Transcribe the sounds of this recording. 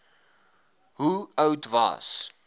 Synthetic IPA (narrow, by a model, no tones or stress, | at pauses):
ɦuəwtvɐ̰s